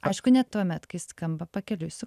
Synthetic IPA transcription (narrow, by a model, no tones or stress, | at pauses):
ɐɪʃkʊnʲɛt̪uɔmʲɛt̪kɐɪskɐmbɐpɐkʲɛlʲʊsʲɪ